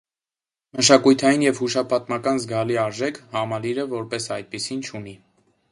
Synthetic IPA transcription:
məʃɑkujt̪ʰɑjinjɛvhuʃɑpʰɑt̪mɑkɑnzɡɑliɑɾʒɛkʰhɑmɑliɾəvɔɾpɛsɑjt̪̚pisint͡ʃʰuni

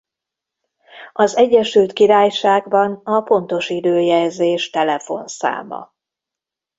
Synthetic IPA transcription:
ɒzɛɟːɛʃylt̪kiɾaːjʃaːɡbɒnɒpo̞nt̪o̞ʃid̪øːjɛlzeːʃt̪ɛlɛfo̞̰nsa̰ːmɒ̰

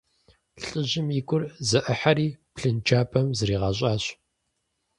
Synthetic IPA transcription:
ɬʼɨʑɪmikʷʼʊrzɐʔɨħaɾiːpɬɨnt͡ʃʰaːpʰʼɐmzɨɾiːʁɐɕ̬ʼaːɕ

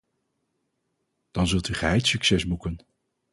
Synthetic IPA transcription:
d̥ɑnzɵlˠtyχəɦɛjtsyksɛsbukən

